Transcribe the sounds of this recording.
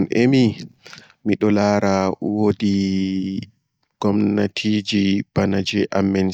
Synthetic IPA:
nʔemi | miɗɔlaːɾawodi | ɡ̥ɔmnatʰid͡ʒib̥anad͡ʒɛʔamːɛn

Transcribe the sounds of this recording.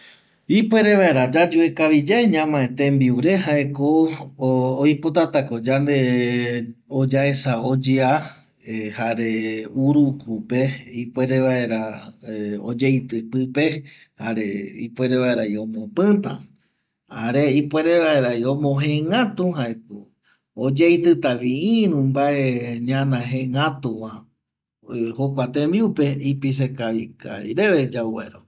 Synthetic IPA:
ipwe̞ɾe̞βae̞ɾad͡ʒad͡ʒuekaβid͡ʒaeɲãmãet̪ẽmbiuɾe̞ɦaʔeko | oipo̞t̪at̪akod͡ʒand̪e̞ | od͡ʒaesaod͡ʒea | haɾeuɾukupe̞ipwʷeɾeβae̞ɾa | o̰d͡ʒejt̪ɨpɨpe̞ | haɾeḭpwʷe̞ɾeβaeɾaiõmõpɨ̃t̪ã̰ | haɾeipwe̞ɾeβaeɾajõmõɦẽŋãt̪ũɦaeko | od͡ʒejt̪ɨt̪aʋiĩɾũmbaʔeɲãnãɦẽŋãt̪ũwã | hokʷat̪embiupe̞ipis̬ekaʋika̰jɾeʋed͡ʒawḛɾo̰

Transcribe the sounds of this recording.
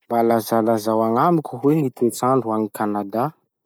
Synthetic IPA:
mbalazalazawaŋamikʲuɦweŋit̪et͡saɳɖ͡ʐuaŋikanad̪a

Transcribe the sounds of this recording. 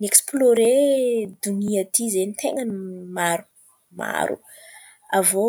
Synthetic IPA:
nieksploɾed̪uniat̪ʰizenit̪eŋənimaɾu | ma̰ɾṵ | avo

